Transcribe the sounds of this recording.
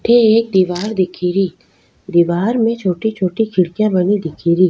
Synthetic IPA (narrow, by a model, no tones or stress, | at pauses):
ʈʰeeːk̚d̪iːʋaːɾd̪ɪkʰiːɾi | d̪iːʋaːɾmẽt͡ʃʰoːʈit͡ʃʰoːʈikʰɪɽkjãbɐnid̪ɪkʰiːɾiː